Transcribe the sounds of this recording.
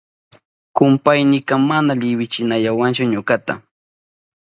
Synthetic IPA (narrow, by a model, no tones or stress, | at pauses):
kʊmpajnɪkamanaʎɪwɪt͡ʃɪnaʎawant͡ʃʊɲʊkat̪a̰